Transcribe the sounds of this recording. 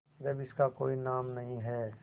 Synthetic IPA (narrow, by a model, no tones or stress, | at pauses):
d͡ʒɐbɪskakoːinaːmnɐɦĩɦɛː